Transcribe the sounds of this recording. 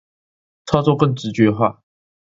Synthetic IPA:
t͡sʰɑ˥ʊt͡sɔ˥˧kɤ˥˩ŋʈ͡ʂɻ̩˧˥t͡ɕɥɛ˧˥xwa̰˥˩

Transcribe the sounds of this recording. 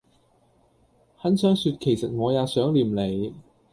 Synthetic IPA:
hɐ˨˥nsœː˥ŋsyː˧t̚kʰe˨˩jsɐ˨t̚ŋɔː˨˧jaː˨˧sœː˨˥ŋliː˨˩mle˨j

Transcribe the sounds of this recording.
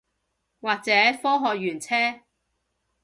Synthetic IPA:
waː˨k̚t͡sɛː˨˥fɔː˥ɦɔː˨k̚jyː˨˩nt͡sʰɛː˥

